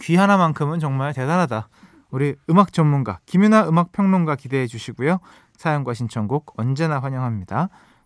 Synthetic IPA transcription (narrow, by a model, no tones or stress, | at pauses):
kɥiɦanamankʰɯmɯnt͡ɕʌŋmaɭte̞daɾɦada | uɾiɯmak̚t͡ɕ͈ʌnmunɡakimjunaɯmak̚pʰjʌŋnonɡakide̞ɦed͡ʑuɕʰiɡujo | sʰajʌŋɡwaɕʰint͡ɕʰʌŋɡoɡ̚ʌnd͡ʑe̞naɸwaɲʌŋɦamɲid̥a